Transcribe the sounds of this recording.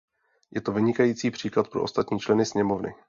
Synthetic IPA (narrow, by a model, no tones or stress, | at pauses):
jɛt̪o̞vɪɲɪkajiːt͡siːpr̝̥iːklat̪̚pɾoʔost̪at̪ɲiːt͡ʃlɛnɪsɲɛmo̞vnɪ̰